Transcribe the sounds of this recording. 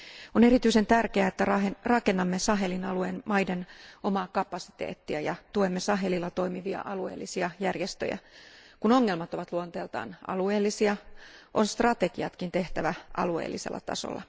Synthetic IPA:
one̞ɾit̪yisent̪ærkeæet̪ːærɑerɑke̞nːɑmːesɑɦe̞linɑlueːnmɑjdeno̞mɑːkɑpɑsi̥t̪ḛːt̪ːiæjɑt̪uemːesɑɦe̞lilːɑt̪o̞imiʋiɑ̰ʔɑlueːlːisiɑjærjest̪ø̰jæ̰kuno̞ŋːelmɑt̪o̞ʋɑt̪luont̪eːlt̪ɑ̰ːnʔɑ̰lue̞ːlːisiɑʔo̞nst̪rɑt̪e̞ɡ̥iɑt̪kint̪e̞ht̪æʋæʔɑ̰luḛːlːisḛlːɑ̰t̪ɑ̰so̰lːɑ̰

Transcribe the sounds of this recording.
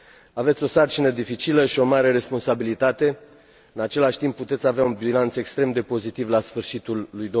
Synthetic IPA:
ave̞t̪sʲo̞sart͡ʃinəd̪ifit͡ʃiləʃio̞maɾe̞ɾe̞spo̞nsabilit̪at̪e̞ | ɨnat͡ʃe̞laʃʲt̪impːut̪e̞t̪sʲaveaunbilant̪se̞kst̪ɾe̞md̪e̞po̞zit̪ivlasfɨrʃit̪ulːujd̪o

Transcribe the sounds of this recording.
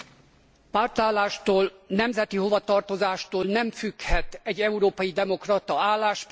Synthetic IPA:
part̪aːlːaːʃt̪oːlnɛmzɛt̪iɦo̞vɒt̪ɒrt̪o̞zaːʃt̪oːlnɛmfykhɛt̪ɛɟːɛuɾoːpɒjid̪ɛmo̞krɒt̪ɒaːlːaːʃp

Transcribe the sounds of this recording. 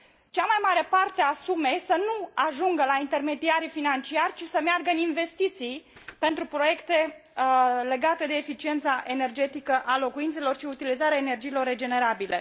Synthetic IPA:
t͡ʃamajmaɾe̞part̪e̞asume̞sənuaʒuŋɡəlaint̪e̞rme̞d̪iaɾifinant͡ʃiarʲt͡ʃisəmearɡəɨninve̞st̪it̪sijpe̞nt̪ɾupɾo̞je̞kt̪e̞ | le̞ɡat̪e̞d̪e̞ːfit͡ʃie̞nt̪saʔe̞ne̞rd͡ʒe̞t̪ikəʔalo̞kuint̪se̞lo̞rʃiut̪ilizaɾeaene̞rd͡ʒijːlo̞rːe̞d͡ʒe̞ne̞ɾabilʔe̞̰

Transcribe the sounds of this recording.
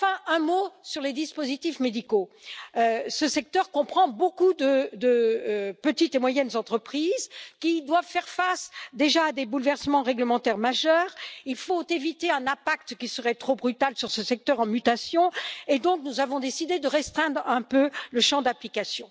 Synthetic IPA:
fɛ̃ɛ̃mosyʁled̪ispozit̪ifmed̪ikoøsəsɛk̚t̪œʁkɔ̃pχɑ̃bokud̪əd̪əpət̪it̪emwajɛnzɑ̃t̪χəpχizkʲid̪wavfɛʁfasd̪eʒaːd̪ebulvɛʁsəmɑ̃ʁɛɡləmɑ̃t̪ɛʁmaʒœːʁilfot̪evit̪eɛ̃nɛ̃pak̚t̪kʲisəʁɛt̪χobʁyt̪alsyʁsəsɛk̚t̪œʁɑ̃myt̪asjɔ̃ed̪ɔ̃knuzavɔ̃d̪esid̪ed̪əʁɛst̪χɛ̃d̪ʁɛ̃pøləʃɑ̃d̪aplikasjɔ̃

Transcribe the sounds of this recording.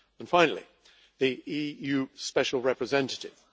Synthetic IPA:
ə̃nfãɪ̃nəl̩ˠḭ | ðiijʉːspɛʃəlˠɹɛpɹɨzɛ̃ntətɪ̰v̥

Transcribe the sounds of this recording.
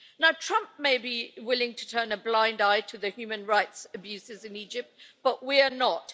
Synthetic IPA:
naʊtʰɹ̥ʌ̃mp̚meɪbiwɪlˠɪ̃ŋtʰə̥tʰɜ̃˞nɨblãɪ̃ndaɪtʰɨðɨhjʉmɨ̃nɹaɪtsɨbjʉsɪzɨ̃nid͡ʒɪp̚t̚b̥ʌʔwiənət

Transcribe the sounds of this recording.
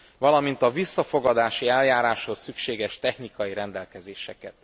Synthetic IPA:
vɒlɒmint̪ɒvisːɒfo̞ɡɒd̪aːʃiɛljaːɾaːʃhossykʃeːɡɛʃt̪ɛxnikɒjiɾɛnd̪ɛlkɛzeːʃɛkɛt̪

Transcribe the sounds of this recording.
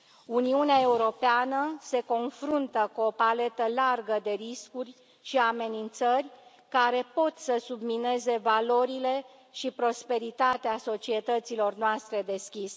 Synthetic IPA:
uniuneae̞uɾo̞peanəse̞ko̞nfɾunt̪əkuo̞pale̞t̪əlarɡəd̪e̞ɾiskurʲ | ʃiame̞nint̪sərʲ | kaɾe̞po̞t̪səsubmine̞ze̞valo̞ɾile̞ | ʃipɾo̞spe̞ɾit̪at̪easo̞t͡ʃie̞t̪ət̪silo̞rnoast̪ɾe̞d̪e̞skʲis

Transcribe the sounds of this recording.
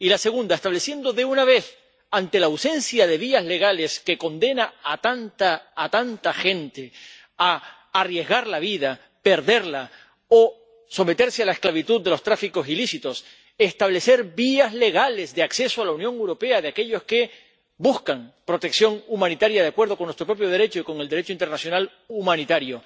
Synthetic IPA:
ilase̞ɣ̞ũnd̪aest̪aβle̞sje̞nd̪o̞ðe̞unaβe̞θ | ant̪e̞lawsẽ̞nsjaðeβiazle̞ɣ̞ale̞ske̞ko̞nd̪e̞naat̪ant̪aːt̪ant̪axẽ̞nt̪e̞ | aː | rje̞zɣaɾlaβ̞iða | pe̞ɾðe̞ɾla | o | so̞me̞t̪eɾsealaesklaβ̞it̪uðd̪ːe̞lo̞st̪ɾafiko̞silisit̪o̞s | e̞st̪aβle̞se̞ɾbiazle̞ɣale̞zðeakse̞soalaunjo̞ŋewɾo̞pe̞aðeake̞ʎo̞ske̞ | buskaŋpɾo̞t̪e̞ksjo̞ŋumãnit̪aɾjaðeakwe̞ɾð̞o̞konːwest̪ɾo̞pɾo̞p̬jo̞ð̞e̞ɾe̞t͡ʃoiko̞ŋe̞ld̪e̞ɾe̞t͡ʃoint̪ernasjo̞nal | umãnit̪aɾjo̞

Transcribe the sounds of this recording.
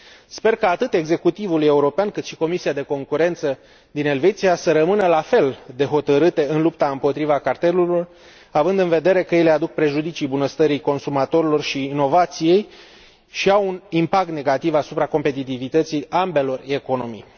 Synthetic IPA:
spe̞rkaːt̪ɨt̪e̞ɡze̞kut̪ivuluje̞uɾo̞peankɨt̪ʃiko̞misiad̪e̞ko̞ŋkuɾe̞nt̪sə | d̪ine̞lve̞t̪sijasəɾəmɨnəlafe̞ld̪e̞ɦo̞t̪əɾɨt̪e̞ɨnlup̚t̪aɨmpo̞t̪ɾivakart̪e̞luio̞r | avɨnd̪ɨnve̞d̪e̞ɾe̞kəjele̞ad̪uk̚pɾe̞ʒud̪it͡ʃijbunəst̪əɾijko̞nsumat̪o̞ɾilo̞rʃiːno̞vat̪sije̞j | ʃiawunimpak̚t̪ne̞ɡat̪ivasupɾako̞mpe̞t̪it̪ivit̪ət̪sijambe̞lo̞re̞ko̞no̞mḭj

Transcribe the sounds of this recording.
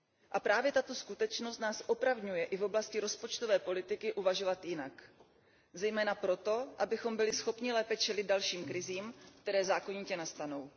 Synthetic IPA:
ʔapɾaːvjɛt̪at̪o̞skut̪ɛt͡ʃno̞st̪naːsʔo̞pɾavɲujɛʔɪvoblascɪɾo̞spo̞t͡ʃt̪ovɛːpo̞lɪt̪ɪkɪʔuvaʒo̞vat̪jɪnak | zɛjmɛːnapɾo̞t̪o̞ʔabɪxo̞mbɪlɪsxo̞pɲɪlɛːpɛt͡ʃɛlɪd̪̚dalʃiːmkɾɪziːmk̚t̪ɛɾɛːzaːko̞ɲiːcɛnast̪ano̞w

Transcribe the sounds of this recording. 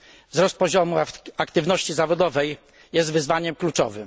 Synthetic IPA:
vzɾɔst̪̚pɔʑɔmuakt̪ɘvnɔɕt͡ɕizavɔd̪ɔvɛj | jɛst̪vɘzvaɲɛmklut͡ʂɔ̰vɘm

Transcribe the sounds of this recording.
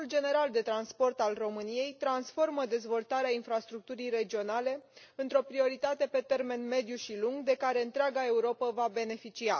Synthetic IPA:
uld͡ʒe̞ne̞ɾald̪e̞t̪ɾanspo̞rt̪alro̞mɨnije̞jt̪ɾansfo̞rməd̪e̞zvo̞lt̪aɾeainfɾast̪ɾuk̚t̪uɾijre̞d͡ʒio̞nale̞ɨnt̪ɾo̞pɾio̞ɾit̪at̪e̞pe̞t̪e̞rme̞nme̞d̪juʃiluŋɡd̪e̞kaɾe̞ɨnt̪ɾeaɡae̞uɾo̞pəvabe̞ne̞fit͡ʃia

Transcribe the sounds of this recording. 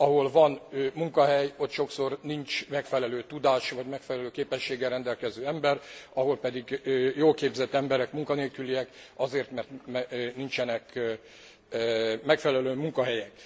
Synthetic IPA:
ɒɦo̞lvɒnmuŋkɒɦɛjo̞t̪ʃo̞kso̞rnint͡ʃmɛkfɛlɛløːt̪ud̪aːʃvɒɟmɛkfɛlɛløːkeːpɛʃːeːɡɛrɾɛnd̪ɛlkɛzøːɛmbɛrɒɦo̞lpɛd̪iɡjoːlkeːbzɛt̪ːɛmbɛɾɛkmuŋkɒneːlkyliɛkɒzeːrt̪mɛrt̪mnint͡ʃɛnɛk | mɛkfɛlɛløːmuŋkɒɦɛjɛk

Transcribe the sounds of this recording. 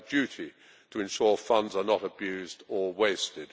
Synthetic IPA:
dʉˑɾi | tʰəɨ̃nʃɔːɹfʌ̃ndzənəɾəbjʉzdəweɪstɪd̥

